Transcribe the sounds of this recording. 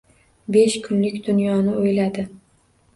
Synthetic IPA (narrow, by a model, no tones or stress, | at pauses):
be̞ʃkʰʊnlɪkʲd̪ʊnjɒnɪojlad̪ɪ